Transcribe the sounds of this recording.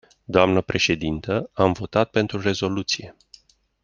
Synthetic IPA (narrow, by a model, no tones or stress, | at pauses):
d̪oamnəpɾe̞ʃe̞d̪int̪əamvo̞t̪at̪̚pe̞nt̪ɾure̞zo̞lut̪sije̞